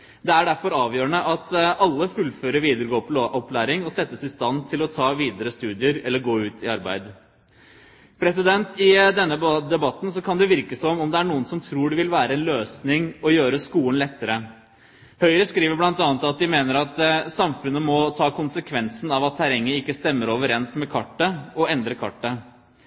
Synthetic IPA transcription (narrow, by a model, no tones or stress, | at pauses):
d̪ɛæɖæɾfɔɾɑːʋjøːɾəɳnəʔɑt̪ɑlːəfʉlføːɾəɾʋiːd̪əɾəɡoːp̪ʔɔplæːɾɪŋɔsɛt̪ːəsɪst̪ɑnt̪ʰɪlɔt̪ʰɑːʋiːd̪əɾəst̪ʉːd̪ɪəɾɛlːəɾɡoːʉːt̪ʰɪɑɾbæ̰ɪd̪ | pʰɾɛsɪd̪ɛnt̪ʰɪd̪ɛnːəd̪ɛbɑt̪ːn̩sɔkʰɑnd̪ɛʋɪɾkəsɔmɔmd̪ɛæɳuːənsɔmt̪ʰɾuːɖɪʋɪlʋæːɾəɛnløːsnɪŋɔjøːɾəskuːənlɛt̪ːəɾə | hœʏɾəskɾiːʋəblɑnt̪ɑːnət̪ɑt̪̚d̪ɪmeːnəɾɑt̪sɑmfʉnːəmɔt̪ʰɑːkʰʊnsəkʰʋɛnsnɑʋɑt̪ʰːæɾɛŋːəɪkːəst̪ɛmːəɾoːʋəɾɛnsmɛkʰɑʈːəɔɛnd̪ɾəkʰɑ̰ʈːə